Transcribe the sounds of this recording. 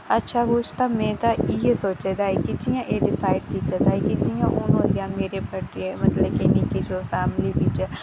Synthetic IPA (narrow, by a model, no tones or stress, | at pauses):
ɐtːʃʰaɡoːt͡ʃt̪amẽːt̪aijesoːt͡ʃed̪aːekid͡ʒijãʔeɖɪsaːɪɖkiːt̪ad̪aːekid͡ʒijãʔʊnoːlijãmeːɾepɐʈiemɐt̪ləbkenikid͡ʒofɛːmlibit͡ʃe